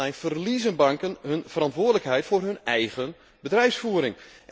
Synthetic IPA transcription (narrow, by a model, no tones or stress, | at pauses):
ɛjfərlizənbɑŋkənɦɵnv̥ərɑntʋʊːədələkɦɛjtfʊːrɦɵnɛjɣən | bədrɛjfsfuəɾɪŋ